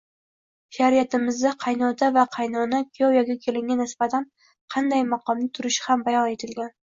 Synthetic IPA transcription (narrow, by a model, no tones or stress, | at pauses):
ʃaɾijat̪ɪmɪzd̪aqʰɑjnɒd̪avaqʰɑjnɒnakʲʰijɒwjaɡʲakʲʰe̞lɪŋɡʲanɪsbat̪ʰan | qʰɑnd̪ajmaqʰɒmnɪt̪ʰʊɾɪʃhambajɒne̞t̪ʰɪlɡʲan